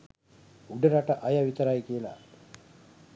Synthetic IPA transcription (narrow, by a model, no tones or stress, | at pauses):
uɖəɾaʈɐʔajaʋit̪əɾajkiəla̰